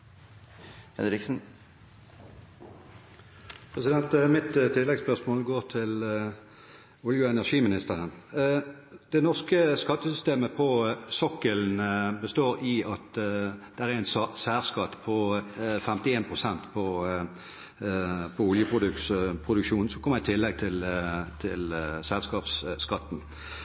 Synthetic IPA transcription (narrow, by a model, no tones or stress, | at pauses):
ɛ̰nɾɪksn̩ | pʰʁɛsɪd̪ɛnt̪mɪt̪t̪ʰːɪlːɛɡspœʁsmoːlɡoːʁt̪ʰɪl | ʊljəɛnæʁʂiːmɪnɪst̪əʁən | d̪̥ɛnɔʁskəskɑt̪ːəsʏst̪eːməpʰɔsɔkːəln̩bəst̪oːɾɪɑt̪d̪̥ɛʁæɛnsɑsæːʁskɑt̪ːpʰɔfɛmt̪ɪeːnpʰʁʊsɛnt̪pʰɔ | pʰɔʊljəpʰʁʊd̪ʉpʰʁʊd̪ʉkʃuːnn̩sɔkʰɔmːəɪt̪ʰɪlːɛɡ̚t̪ʰɪlt̪ʰɪlsɛlskɑːpskɑt̪ːn